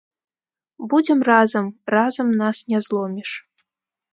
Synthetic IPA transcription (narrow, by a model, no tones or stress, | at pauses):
bud͡zʲɛmrazɐmrazɐmnasnʲɛzlˠɔmʲiʂ